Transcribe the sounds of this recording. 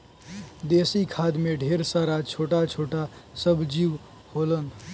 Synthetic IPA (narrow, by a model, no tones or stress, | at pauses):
d̪esikʰad̪meɖʱeɾsaɾat͡ʃʰoʈat͡ʃʰoʈasəbʱd͡ʒiʋ | holən